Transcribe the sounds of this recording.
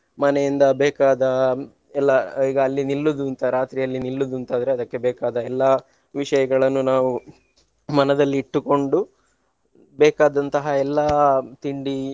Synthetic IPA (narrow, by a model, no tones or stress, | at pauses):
mɐnejind̪ɐbɛːkaːd̪ɐ | ɛlːɐiːɡɐːlːinilːud̪unt̪ɐɾaːt̪ɾijɐlːinilːud̪unt̪aːd̪ɐɾe̞ɐd̪ɐkːe̞bɛːkaːd̪ɐɛlːɐ | ʋiʂɐjɐɡɐɭɐnːunaːʋu | mɐnɐd̪ɐlːiːʈːuko̞ɳɖu | bɛːkaːd̪ɐnt̪ɐɦɐɛlːɐt̪iɳɖi